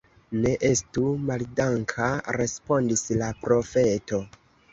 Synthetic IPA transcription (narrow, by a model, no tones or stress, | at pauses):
ne̞ʔe̞stumaldaŋkʰaɾe̞spo̞ndislapɾo̞fe̞to̞